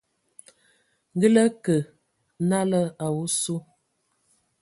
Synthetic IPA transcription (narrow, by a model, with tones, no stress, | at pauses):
ŋ̩˦ɡə˦lə˦kə˨˦ | na˦lə˦a˨wu˦su˦